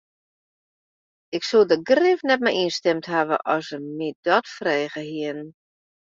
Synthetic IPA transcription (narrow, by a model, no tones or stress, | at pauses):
ɪksulˠdəɡrɪfnɛt̚mɛjinstɛmtɦaʋə̰ʔɔsəmidɔtfrɛːɣəhiən